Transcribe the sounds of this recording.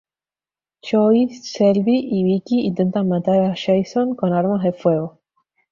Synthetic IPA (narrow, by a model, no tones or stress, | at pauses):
t͡ʃoisːelβiʔiβikiːnt̪e̞nt̪anmat̪aɾaʃejsoŋko̞naɾmazðe̞fwe̞ɣo